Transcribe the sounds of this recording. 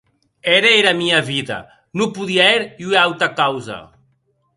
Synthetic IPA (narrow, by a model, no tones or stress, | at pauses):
ɛɾeeɾamiaβiðɐ̰ | nupuðiaɛɾiueawt̪ɐkawzɐ̰